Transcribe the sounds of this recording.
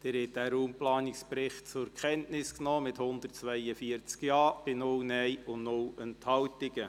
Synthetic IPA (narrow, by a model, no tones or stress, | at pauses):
d̥ɪɾhɛt̚d̥æːɾuːmplɑːnɪkspɾɪχtt͡sʊɾkʰɛntnɪsknoːmɪthʊnd̪ərtt͡sʋɛɪəfiəɾt͡skjɑːb̥ɪnʊlnɛjʊnnʊlənt̪hɑwtɪɡə